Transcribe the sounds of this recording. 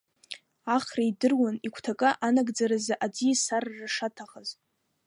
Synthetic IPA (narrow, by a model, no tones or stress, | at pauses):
aχraidɨrwanikʷʰtʰakʼɨʔanaɡd͡zaɾazaʔad͡zisarːaʂatʰaχaz